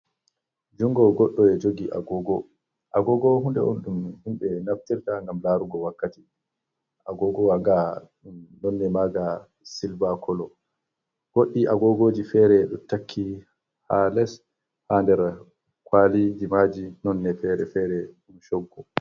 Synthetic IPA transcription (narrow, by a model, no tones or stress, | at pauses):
d͡ʒuŋɡɔɡɔɗːɔɛd͡ʒoɡiʔa̰ɡɔɡɔ | ʔaɡɔɡɔɦundɛʔɔnɗumhimɓɛnaftiɾtaŋɡamlaɾuɡɔwakːati | ʔaɡɔɡɔwaɡa | nɔnːɛmaɡa | silbakʰɔlɔ | ɡ̥oɗːiʔaɡɔɡoːd͡ʒifɛɾɛɗɔtakʰːi | halɛs | handɛɾ | kwalid͡ʒimad͡ʒinɔnːɛfɛɾɛfɛɾɛɗumʃɔɡːɔ